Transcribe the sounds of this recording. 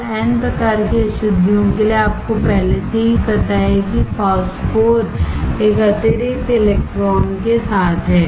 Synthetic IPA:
pɛːnpɾɐkaːɾkeɐʃʊd̪ːijõkelieaːp̚kopɛɦleseɦikɐɾt̪aɦɛkipaːspoːɾʈeːkɐt̪eɾiʈelekʈɾɔːnkesaːt̪ʰɦɛː

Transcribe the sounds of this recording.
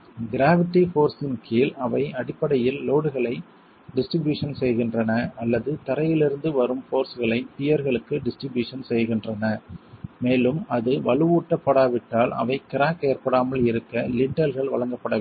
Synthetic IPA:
ɡɪɾaːʋɪʈːifoːɾsɪnkʰiːlɐʋɐɪɐɽɪpːɐɽɐjɪlːoːɽɯɣɐɭɐɪ | ɖɪsʈɾɪbjuːʂɐnsɛjɣɪndrɐnɐɐlːɐðɯt̪ɐɾɐjɪlɪɾɯnd̪ɯʋɐɾɯmfoːɾsɣɐɭɐɪp̪ɪjɐɾɣɐɭɯkːɯɖɪsʈɾɪbjuːʂɐnsɛjɣɪndrɐnɐmeːlɯmɐðɯʋɐɭɯʋuːʈːɐpːɐɽaːʋɪʈːaːlɐ̰ʋɐɪkɪɾaːkeːɾpɐɽaːmɐlɪɾɯkːɐlɪɳɖɐlɣɐɭʋɐɭɐŋɡɐpːɐɽɐ

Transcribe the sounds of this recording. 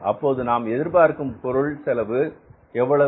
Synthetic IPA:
ɐpːoːðɯnaːmɛðɪɾpaːɾkɯmpɔɾɯɭsɛlɐʋɯ | ɛʋːɐɭɐ

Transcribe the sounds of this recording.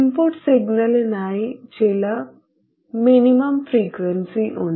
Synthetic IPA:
impoɾʈsiɡnəlenaid͡ʑela | miniməmfɾikʋənsiʔo̰

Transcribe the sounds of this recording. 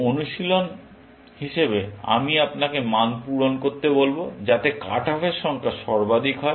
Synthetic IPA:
onuʃilon | hiʃebea̰miapnakemanpuɾonkoɾt̪ebolbod͡ʑat̪eka̰ʈafeɾʃɔŋkʰaʃɔɾbad̪ʱikɦɔe

